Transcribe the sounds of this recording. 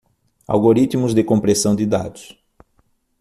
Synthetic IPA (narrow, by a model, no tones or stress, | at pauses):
a̰wɡoɾit̪mʊzd̪ɪkõpɾesɐ̃w̃d̪ɪd̪a̰d̪ʊs